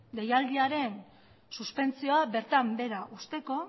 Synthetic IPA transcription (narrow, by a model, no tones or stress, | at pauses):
d̪e̞jald̪iaɾe̞n | suspe̞nt͡sio̞abe̞ɾt̪ambe̞ɾaʔust̪e̞ko̞